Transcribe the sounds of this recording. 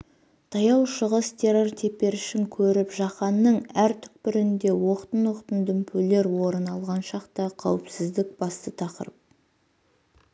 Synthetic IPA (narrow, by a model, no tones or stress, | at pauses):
t̪ʰɑjɑwʃəʁəst̪ʰe̞ɾo̞rt̪ʰe̞pe̞ɾɪʃɪŋkʲʰɵɾɪpʒɑqɑnːəɴæɾt̪ʰʏ̥k̚pɪɾɪnd̪e̞wo̞qt̪ənwoqt̪ənd̪ʏmpʰɵle̞ɾwo̞ɾənɑlˠʁɑnʃɑqt̪ɑqʰɑwɪpsɪzd̪ɪk̚bɑst̪ət̪ʰɑqə̰ɾəp̚